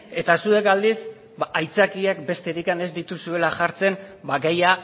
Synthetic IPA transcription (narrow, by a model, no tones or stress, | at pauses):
e̞t̪asue̞kald̪is | baʔajt͡sakiekbe̞st̪e̞ɾikane̞zd̪it̪usue̞laʝaɾt͡se̞nbaɡeja